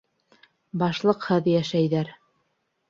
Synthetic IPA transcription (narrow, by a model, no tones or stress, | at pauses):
bɑʃlˠɤqhɤðjæʃæjðæɾ